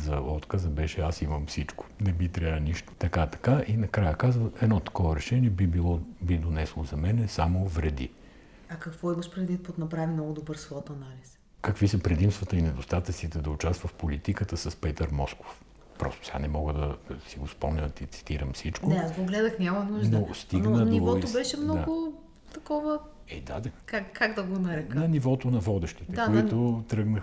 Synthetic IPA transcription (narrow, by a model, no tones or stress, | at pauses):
zɐɔt̪kəzəbɛʃɛasiməmfsit͡ʃko̥nɛbit̪ɾʲaəniʃt̪ʊ̥t̪ɐkat̪ɐ̥kaʔinɐkɾajəkazvəɛd̪nɔt̪ɐ̥kɔvɐɾɛʃɛniɛbibilˠɔbid̪onɛslˠozɐmɛnɛsamovɾɛd̪ḭ | ɐkɐkvɔimɐʃpɾɛd̪vit̪̚pot̪nɐpɾavimnɔɡʊd̪obəɾsvɔjət̪ɐnalis | kɐkvisəpɾɛd̪imst̪vɐt̪ɐinɛd̪ost̪at̪ət͡ʃ̪it̪ɛd̪ɐʊt͡ʃast̪vəfpolit̪ikət̪əsɐspɛt̪əɾmɔsko̥f | pɾɔ̰st̪ʊ̥sɛa̰nɛmɔɡəd̪ɐsiɡospɔmnʲət̪it̪si̥t̪iɾəmfsit͡ʃkonɛazɡoɡlɛd̪əxnʲamɐnuʒnost̪iɡnəniɔobɛʃɛmnɔaɡʊ | t̪ɐkɔvə | ɛd̪a̰d̪ɛkakːaɡd̪ɐɡonɐɾɛknɐnivɔt̪onɐvɔd̪ɛʃt̪itd̪ɛakʊit̪ʊt̪ɾɤɡnəx